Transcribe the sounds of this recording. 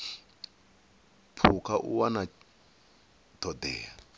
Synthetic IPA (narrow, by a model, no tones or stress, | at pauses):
pʰukʰaʔṵwana | tʰɔd̪ɛ̰ːa